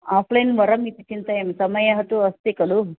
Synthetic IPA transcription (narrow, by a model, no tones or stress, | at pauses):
aːpʰlɐjinʋɐɾɐmit̪it͡ʃint̪ɐjemsɐmɐjɐɦɐt̪uɐst̪ikɐlu